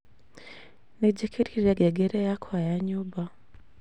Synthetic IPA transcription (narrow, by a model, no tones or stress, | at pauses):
niɟikʰiɾiɾeɡeɡeɾejakʰajaɲuba